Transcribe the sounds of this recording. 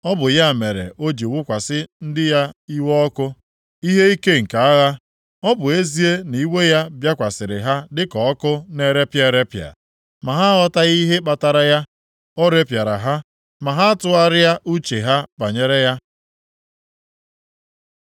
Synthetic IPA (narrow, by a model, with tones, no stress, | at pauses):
ɔ˦bʊ˨ja˦˨me˨ɾḛ˨ʔo˦d͡ʒi˨wʊ˦kʷa˨sɪ˦n̩˦dɪ˦ja˦i˦wɔ˦kʊ˦ | i˦ɦe˦i˦ke˦ŋ̩˨ka˨a˦ɣa˦ | ɔ˦bʊ˨e˦zi˦e˦ni˨˦we˦ja˦bja˦kʷa˨sɪ˨ɾɪ̰˨ɦa˦dɪ˦kɔ˨ɔ˦kʊ˦ne˦ɾe˦pje˦ɾe˦pja̰˨ | ma˨ɦa˦ɔ˦ta˦ɣi˦ɦe˦k͡pa˨ta˨ɾa˦ja˦ | ɔ˦ɾe˦pja˨ɾa̰˨ɦa˦ | ma˨ɦa˦a˦tʊ˦a˦ɾɪ˦a˦ʔu˦t͡ʃe˨ɦa˦k͡pa˨ɲe˦ɾe˦ja˦